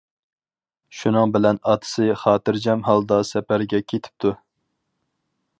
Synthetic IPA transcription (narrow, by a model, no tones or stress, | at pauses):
ʃunɨŋbɪlɛnɑt̪ʰɨ̥sɨχɑːt̪ɨɾd͡ʒɛmɦɑlˠd̪ɑsɛpæɾɡʲɛkʲʰet̪ʰɪ̥p̚t̪ʰu